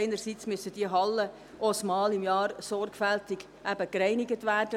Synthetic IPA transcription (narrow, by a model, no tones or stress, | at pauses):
ɪnərsiːt͡smʏsəd̥iəɦɑlːə | ʔosmɑːlɪmjɑːɾsɔrɡfæltɪɡ | ʔæbəkrɛɪnɪɡətʋæːrd̥ə